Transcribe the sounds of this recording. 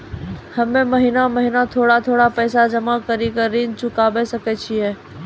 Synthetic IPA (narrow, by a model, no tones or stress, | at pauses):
həmẽməɦinaməɦinat̪ʰoːɽat̪ʰoːɽapɛːsad͡ʒəmakəɾikəɾĩːnt͡ʃʊkaːbesəkɛːt͡ʃʰiɦɛː